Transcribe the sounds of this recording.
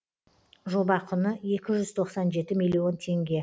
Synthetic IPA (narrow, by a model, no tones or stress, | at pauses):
ʒo̞bɑqʰʊnəe̞kʲɪʒʏzt̪ʰo̞qsɑnʒe̞t̪ɪmilʲio̞nt̪ʰe̞ŋɡʲe̞